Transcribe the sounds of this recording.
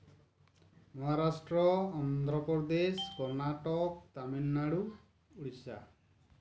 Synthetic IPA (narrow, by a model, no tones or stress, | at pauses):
mɔɦaɾasʈɾɔːnd̪ʱɾɔpɔd̪eskɔɾnaʈɔkt̪aminːaɽu | uɽisa